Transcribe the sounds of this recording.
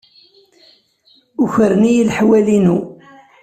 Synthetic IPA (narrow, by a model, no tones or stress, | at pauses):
ʊçəɾnijilħwælinu